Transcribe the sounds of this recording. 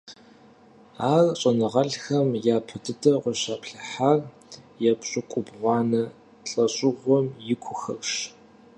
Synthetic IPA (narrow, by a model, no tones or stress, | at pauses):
aːrɕʼɐnɨʁɐɬxɐmjaːpʰɨdʰɨtʰɐqʷʊɕaːpɬɐħar | jɛpɕʼʊkʷʼʊbʁʷɑːnɐ | ɬʼɐɕʼɪʁʷɔmjɪkʷʰʊxɐpɕ